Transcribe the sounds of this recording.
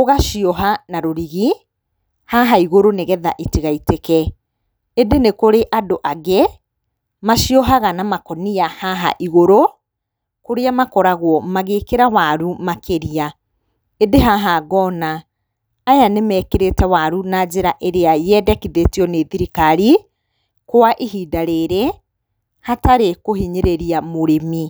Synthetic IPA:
oɣaʃiɔɦanaɾoɾiɣi | haɦaiɣoɾoneɣɛða̰ʔetiɣaitekɛ | edenekoɾeʔadoʔaɣɛ | maʃiɔɦaɣanamakɔniahaɦa̰ʔiɣoɾo | koɾeamakɔɾaɣwɔmaɣekeɾawaɾumakʰeɾia | edeɦaɦaɣɔnaː | janemɛːkeɾetɛwaɾunad͡ʑeɾaʔeɾeajɛdɛkiðetijɔneðiɾikaɾi | koaʔeɦiːdaɾeɾe | hataɾekohiɲeɾeɾiamoɾemi

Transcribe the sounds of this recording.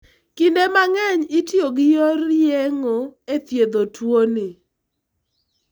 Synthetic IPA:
kindemaŋɛɲɪtjoɡɪjɔɾjeŋoet̪jed̪otʰwonɪ

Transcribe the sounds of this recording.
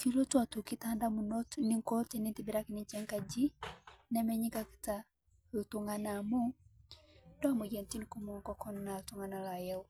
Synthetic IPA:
kilɔtwatukitandamunɔtniŋkɔtɛnintibiɾakiniɲt͡ʃɛŋkad͡ʒinɛmɛɲikaki̥ta | utuŋɡanamu | ndɔamujɛntinikumuukakɔnnautuŋɡanalajɛu

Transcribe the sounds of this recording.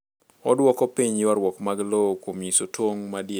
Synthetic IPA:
ɔdwɔkɔpiɲjɪwaɾwɔkmaɡlokwomjisotwoŋmadje

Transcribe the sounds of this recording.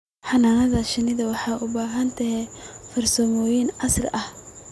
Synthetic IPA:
ħɑnaːnɐðɐʃɪnɪðɐwɑħɑʔʊbaːɦɐnt̪ʰɐɦɛfɐrsɔmɔːjɪnɑsrʔɐh

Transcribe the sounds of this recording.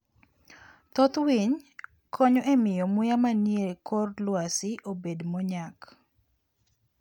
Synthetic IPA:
t̪ɔt̪wiɲ | kʰɔɲɔʔemɪjɔmʊjamanjekʰɔrlwasɪʔobedmɔɲak

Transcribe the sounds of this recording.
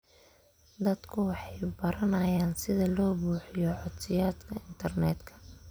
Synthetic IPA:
d̪ɐd̪kʰʊwɑħɑjbɐɾɐnɐjaːnsɪðɐlɔːbuːħɪjɔʕɔd̪sɪjaːd̪kʰɐɪnt̪ʰɐrnɛːd̪kʰɐ̥

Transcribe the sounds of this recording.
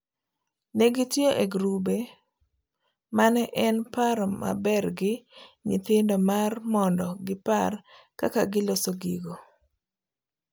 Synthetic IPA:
nɛɡitjoʔeɡɾube | manɛʔɛnpaɾma̰bɛrɡɪɲḭt̪ɪndɔmarmɔndɔɡɪparka̰kaɡɪlosoɡḭɡo

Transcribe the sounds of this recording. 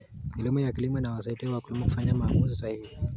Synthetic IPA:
milimɔjakilimɔnawasaitɛwakulimɔku̥faɲamaːmuzisahihi

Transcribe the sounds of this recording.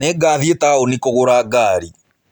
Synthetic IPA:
ɛɡaːðietaːonikoɣoɾaːɡaːɾi

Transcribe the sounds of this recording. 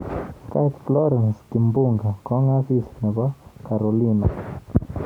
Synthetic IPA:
kat̪flɔɾɛnskimbuŋɡakɔŋasisnɛbakaɾolina

